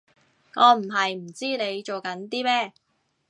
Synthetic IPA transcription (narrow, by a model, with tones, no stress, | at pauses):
ŋɔː˨˧m̩˨˩ɦɐ˨jm̩˨˩t͡siː˥ne˨˧jt͡ʃo˨wkɐ˨˥nt̪iː˥mɛː˥